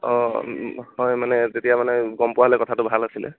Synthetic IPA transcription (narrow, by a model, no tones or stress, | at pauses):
ɔ | hɔjmanɛtetijamanɛɡɔmpʊaɦlɛkɔtʰatʊbʱalasilɛ̰